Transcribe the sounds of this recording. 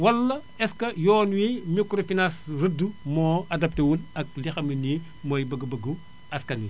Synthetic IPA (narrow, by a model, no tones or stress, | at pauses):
wɐlːɐ | ɛskɐjɔːnwimikɾofinasrədːumɔːɐdɐp̚tɐwulɐk̚lixɐməni | mɔjbɐɡɐbɐɡu | ɐskɐni